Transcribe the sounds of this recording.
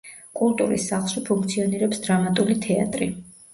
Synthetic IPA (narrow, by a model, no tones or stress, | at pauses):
kʼulˠt̪ʼuɾḭsːaχlˠʃwipʰuŋkʰt̪sʰiɔniɾɛpsd̪ɾamat̪ʼulit̪ʰɛa̰t̪ʼɾi